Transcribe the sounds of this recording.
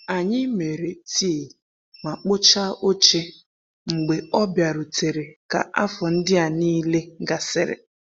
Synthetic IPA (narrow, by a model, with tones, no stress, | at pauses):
a˨ɲɪ˦me˨ɾe˨ti˦e˨ | ma˨k͡pʊ˦t͡ʃa˦o˦t͡ʃe˦ | ŋ͡m̩˨ɡ͡be˨ɔ˦bja˨ɾʊ˨te˨ɾe˨ka̰˨ʔa˦fɔ˨n̩˦dɪ˦a˨niː˦le˦ɡa˨sɪ˦ɾɪ̰˨